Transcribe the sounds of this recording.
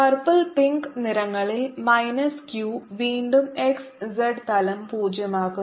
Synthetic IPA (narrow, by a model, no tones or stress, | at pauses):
pɐrpɐlpiŋkniɾɐŋːɐɭilmɐjnɐskjuːʋiːɳɖumeksd͡ʑeɖt̪ɐlɐmpuːd͡ʑjɐmaːɣu